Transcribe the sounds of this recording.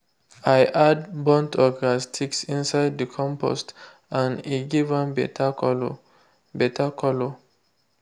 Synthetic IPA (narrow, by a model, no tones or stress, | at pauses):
ajʔad̚bɔ̃ntʰɔɡastʰiksĩnsaɪd̚dəkʰɔ̃mpʰɔ̰st | ãniɡivãnbɛlo | bɛtʰakʰɔlo